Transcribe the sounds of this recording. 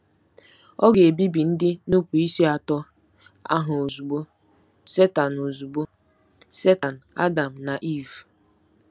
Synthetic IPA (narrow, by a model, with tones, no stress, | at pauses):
ɔ˦ɡe˨bi˦bi˨n̩˦dɪ˦nu˦pu˨i˦si˦a˨tɔ˦ | a̰˦ɦʊ˨o˨zu˨ɡ͡bo˦ | se˦ta˨no˨zu˨ɡ͡bo˦ | se˦ta˨n̩˨a̰˦da˨m̩˨na˨ʔi˦˨v